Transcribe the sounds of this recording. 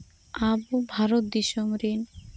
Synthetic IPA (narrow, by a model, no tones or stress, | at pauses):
abubʱaɾot̪̚d̪iʃomɾin